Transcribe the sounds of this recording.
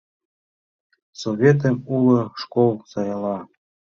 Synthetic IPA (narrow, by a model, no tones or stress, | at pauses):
soβʲet̪̬əmulɤ̆ʃkolˠsɑjɤlɑ